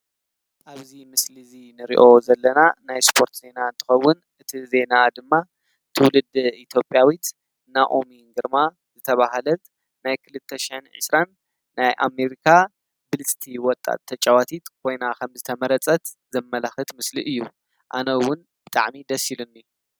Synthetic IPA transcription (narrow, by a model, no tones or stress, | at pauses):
ʔaβzimɨslizinɨɾḭʔo̞zɐlːɐnanajspʰo̞ɾt̪ze̞naɨnt̪ʰɨ̥xɐwːʊn | ʔɨt̪ʰize̞nad̪ɨmːa | t̪ʰɨwlɨd̪it̪ʰjo̞pʼːjawit̪ | naʔomiŋɡɨɾma | zɨt̪ʰɐβaɦalɐt̪ | najkʰɨlɨt̪ʰːɐʃiħɨnʕɨ̰sɾanː | ajʔa̰me̞ɾikʰa | bɨlɨt͡sʼt̪ʰiwɔt̪ʼa̰t̪ʰːɐt͡ʃʼɐwat̪ʰit̪kʰo̞jnakʰɐmzɨt̪ʰɐmɐɾɐt͡sʼɐt̪ | z̥ɐmːɐlaxɨt̪mɨsliʔɨjːu | ʔa̰nɐwʊn | b̥ɨt̪ʼaʕmid̪ɐsilunːi